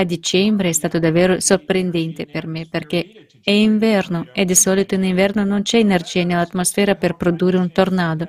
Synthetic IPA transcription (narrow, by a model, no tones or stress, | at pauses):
ad̪it͡ʃɛmbɾeɛst̪aːt̪od̪avːeːɾosorpɾend̪ɛnt̪epermeperk̟e | ɛiɱvɛrnoed̪isɔlit̪oiniɱvɛrnonont͡ʃɛenerd͡ʒiːanelat̪mosfɛːɾaperpɾod̪urːeunt̪ornaːd̪o